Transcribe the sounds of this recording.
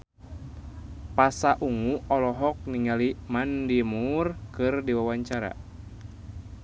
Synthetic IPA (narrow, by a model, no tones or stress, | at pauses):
pasaʔuŋuɔlɔɦɔk̚niŋalimandimurkɨrdiwawaɲt͡ʃaɾa̰